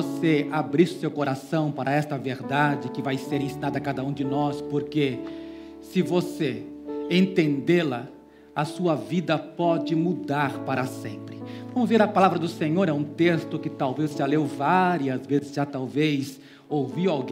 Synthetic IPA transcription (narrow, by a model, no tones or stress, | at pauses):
oseabɾisʊsewkoɾasɐ̃w̃paɾʔɐɛst̪ɐveɾd̪ad͡ʒɪkɪvajseɾẽsĩnad̪ɐkad̪ɐũd͡ʒɪnɔspoɾke | sɪvose | ẽnt̪ẽnd̪elɐ | ɐsuɐvid̪ɐpɔd͡ʒɪmud̪aɾpaɾɐsḛ̃mpɾɪvɐ̃mʊzveɾɐpalavɾɐd̪ʊsẽɲoɾɛũt̪est̪ʊkɪt̪awvezʒalewvaɾiɐzvezɪzʒat̪awves | owviwawɡ